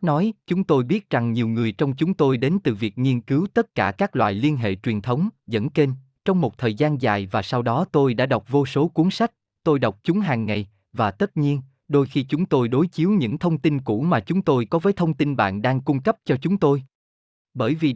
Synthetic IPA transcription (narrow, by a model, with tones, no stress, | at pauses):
nɔ˨˦jt͡ɕʊ˨˦ŋ͡mt̪o˧jɓi˦˥ət̚za˨˩ŋɲi˨˩əwŋɨ˨˩əjt͡ɕɔ˧wŋ͡mt͡ɕʊ˨˦ŋ͡mt̪o˧jɗe˨˦nt̪ɨ˨˩vi˨˩ək̚ŋi˧ənkɨ˨˦wt̪ə˦˥t̚kaː˧˩kaː˦˥k̚lwa̰ː˧˨jli˧ənɦḛ˧˨t͡ɕwi˨˩ənt̪ʰə˨˦wŋ͡mzə̰˧˥nke˧n | t͡ɕɔ˧wŋ͡mmo˨˩t̚t̪ʰəː˨˩jzaː˧nza̰ː˨˩jvaː˨˩sa˧wɗɔ˨˦t̪o˧jɗa̰ː˧˥ɗa˨˩wk͡p̚vo˧so˨˦ku˨˦ənsa˦˥k̟̚ | t̪o˧jɗa˨˩wk͡p̚t͡ɕʊ˨˦ŋ͡mɦaː˨˩ŋːa˨˩j | vaː˨˩t̪ə˦˥t̚ɲi˧ən | ɗo˧jxi˧t͡ɕʊ˨˦ŋ͡mt̪o˧jɗo˨˦jt͡ɕi˨˦əwɲɨ̰˧˥ŋt̪ʰə˧wŋ͡mt̪i˧nkṵ˧˩˥maː˨˩t͡ɕʊ˨˦ŋ͡mt̪o˧jkɔ˨˦vəː˨˦jt̪ʰə˧wŋ͡mt̪i˧nɓa̰ː˧˨nɗaː˧ŋkʊ˧ŋ͡mkə˦˥p̚t͡ɕɔ˧t͡ɕʊ˨˦ŋ͡mt̪o˧j | ɓəː˧˩jvi˨˩